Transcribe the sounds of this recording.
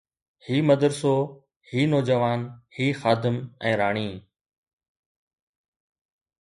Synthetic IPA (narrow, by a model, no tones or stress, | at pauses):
hiːməd̪əɾsoː | hiːnoːd͡ʒəʋaːnhiːxaːd̪ɪmɛ̃ːɾaːɳ̃iː